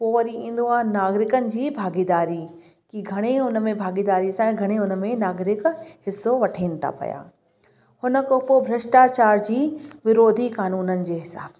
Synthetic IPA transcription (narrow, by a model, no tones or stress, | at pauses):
poːɐɾiĩːnd̪oãːnaːɡɾɪkənɪ̆d͡ʑiːbʱaːɡiːd̪aːɾi | kiɡʱɐɽ̃eɦʊnəmẽbʱaːɡiːd̪aːɾisãɡʱɐɽ̃eɦʊn̆mẽnaːɡɾɪkhɪsːoʋɐʈʰiːnɪ̆t̪ʰa̰pɐ̰ja̰ː | hʊnə̆kopobʱɾɐʃʈaːt͡ɕaːɾd͡ʑiːʋɪɾoːd̪ʱikaːnuːnənɪ̆d͡ʑeːɦɪsa̰ːbs